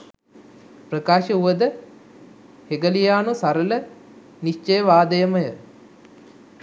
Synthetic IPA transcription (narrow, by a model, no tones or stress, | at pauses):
prəkaːʃəuʋəd̪ə | heɡəlijaːnusaɾələ | niʃt͡ʃejəʋaːd̪əjəməjə